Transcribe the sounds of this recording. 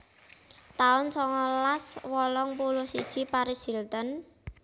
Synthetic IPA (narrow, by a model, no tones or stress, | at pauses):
t̪aʊnsɔŋɔlaswɔlɔŋpulʊhsid̥ʒ̥i̤paɾisilt̪ən